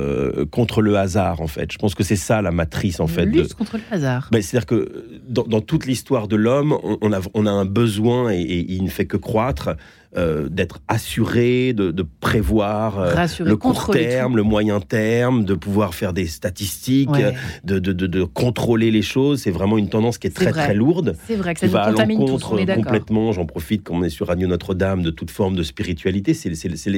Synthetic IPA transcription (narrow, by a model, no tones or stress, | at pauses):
kɔ̃t̪χələazaʁɑ̃fɛ̰t̪ʒ̥ə̥pɑ̃skəsɛsalamat̪χisɑ̃fɛt̪d̪ət̪kɔ̃t̪χəlazaʁmɛse̥t̪ad̪iʁkə | d̪ɑ̃d̪ɑ̃t̪ut̪list̪waʁd̪əlɔmɔ̰̃ʔnavɔ̃naɛ̃bəzwɛ̃eʔeʔilnəfɛkəkχwat̪χ | ød̪ɛt̪χasyʁed̪əd̪əpχevwaʁøsləkuʁt̪ɛʁmləmwajɛ̃t̪ɛʁmd̪əpuvwaʁfɛʁd̪est̪at̪ist̪ikd̪əd̪əd̪əd̪əkɔ̃t̪χoleleʃozsɛvʁɛmɑ̃ynt̪ɑ̃d̪ɑ̃skʲiɛt̪χɛt̪χɛluʁd̪ɛvʁɛivaãːlɑ̃kɔ̃t̪χkɔ̃plɛt̪mɑ̃ʒɑ̃pχɔfit̪̚kɑ̃ɔ̃nɛsyʁːanjonɔt̪χəd̪amd̪ət̪ut̪fɔʁmd̪əspiʁit̪ɥalit̪esɛsɛsɛ